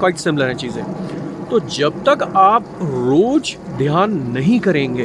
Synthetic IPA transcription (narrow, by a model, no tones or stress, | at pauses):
kɔːɪʈsɪ̃mləɾɦɛ̃t͡ʃiːzẽːt̪oːd͡ʒɐb̚t̪ɐkaːp̚ɾoːd͡ʒ | d̪ʱjaːnːɐɦĩkɐɾẽːŋɡeː